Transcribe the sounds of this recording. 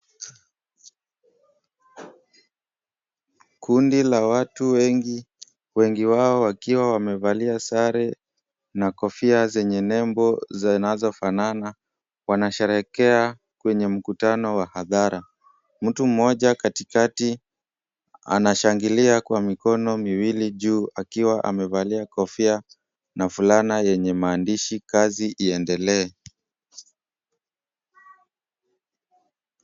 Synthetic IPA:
kundilawatuwɛŋɡi | wɛŋɡiwaɔwakiwawamɛvaliasaɾɛ | nakɔfiazɛɲɛnɛmbɔzanazɔfanana | wanaʃɛɾɛkɛa | kwɛɲɛm̩kutanɔwahaðaɾa | m̩tum̩ɔʄakatikati | a̰naʃaŋɡiliakwamikɔnɔmiwiliʄuːʔakiwaʔa̰mɛvaliakɔfia | nafulanajɛɲɛmaːndiʃikaziʔiɛndɛlɛː

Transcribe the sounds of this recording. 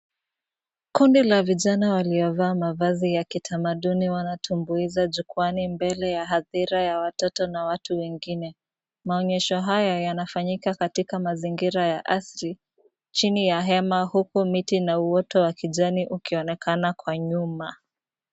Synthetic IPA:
kundilaviʄanawaliɔvaːmavazijakitʰamaɗuniwanatʰumbuizaʄukwanimbɛlɛjaɦaðiɾajawatɔtɔnawatuwɛŋɡinɛ | maɔɲɛʃɔɦajajanafaɲikakatikamaziŋɡiɾajaʔasɾi | t͡ʃinijaɦɛmahukumitinauɔtɔwakiʄaniʔukiɔnɛkanakwaɲuma

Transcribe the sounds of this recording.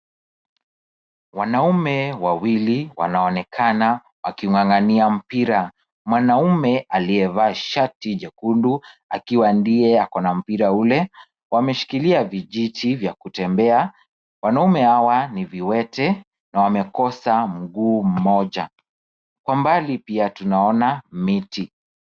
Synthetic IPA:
wanaumɛwawiliwa̰naɔnɛkʰana | wa̰kiŋwaŋɡaniam̩piɾa | mwanaumɛaliɛvaːʃatiʄɛkundua̰kiwandijɛakɔnam̩piɾaulɛ | wamɛʃi̥kiliaviʄitʰivjakutɛmbɛa | wanaumɛhawaniviwɛtɛ | nawamɛkɔsam̩ɡuːm̩mɔʄa̰ | kwambalipiatunaɔnamiti

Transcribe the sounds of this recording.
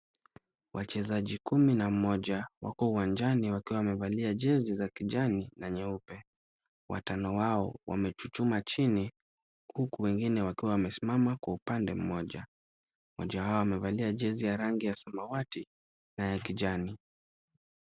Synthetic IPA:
wʔat͡ʃɛzaʄikuminamɔʄawa̰kɔuwand͡ʒaniwakiwawmɛvaliaʄɛzizakiʄaninaɲɛupɛ | wa̰tanɔwaɔwa̰mɛt͡ʃut͡ʃumat͡ʃini | hukuwɛŋɡinɛwakiwawamɛsimamakwaupandɛm̩mɔʄa | mɔ̰ʄawaɔwamɛvaliaʄɛzijaɾaŋɡijasamawati | najakiʄani

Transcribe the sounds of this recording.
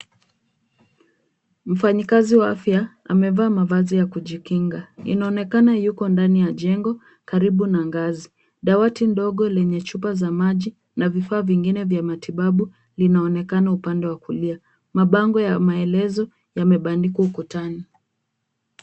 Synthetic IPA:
m̩faɲikaziwaafja | a̰mɛvaːmavazijakuʄikiŋɡaḭnaɔnɛkanajukɔndanijaʄɛŋɡɔ | kaɾiɓunaŋɡazi | ɗawatindɔɠɔlɛɲɛt͡ʃupazamaʄi | navifaːviŋɡinɛvjamatʰiɓaɓu | linaɔnɛkanaupandɛwakulia | maɓaŋɡɔjamaɛlɛzɔ | jamɛɓandikuukutani

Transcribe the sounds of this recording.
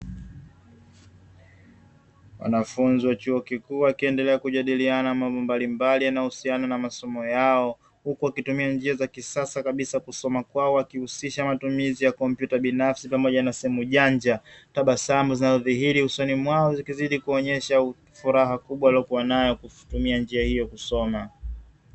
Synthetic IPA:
wa̰nafunziwat͡ʃuɔkikuːwakiɛndɛlɛakuʄaɗilianamambɔmbalimbalijanahusiananamasɔmɔjaɔ | hukuwakitumiand͡ʒiazakisasakaɓisakusɔmakwaɔwakihusiʃamatumizijakɔmpjutaɓinafsipamɔʄanasɛhɛmuʄaɲd͡ʒataɓasambuzinazɔðiɦiɾihusɔnimwaɔzikiziɗikuɔɲɛʃa | fuɾaɦakuɓwalɔkuwanajɔkutumiand͡ʒiahijɔkusɔma

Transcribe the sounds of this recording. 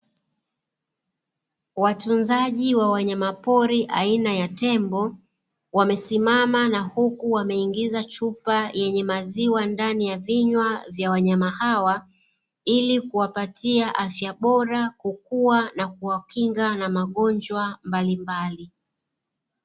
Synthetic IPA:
watunzaʄiwawaɲamapɔɾiʔa̰inajatɛmbɔ | wamɛsimamanahukuwamɛiŋɡizat͡ʃupajʔɛɲɛmaziwandanijaviɲwavjawaɲamahawa | ilikuwapatʰiaʔafjaɓɔɾakukuwanak̚uwakiŋɡanamaɠɔnd͡ʒwambalimbali

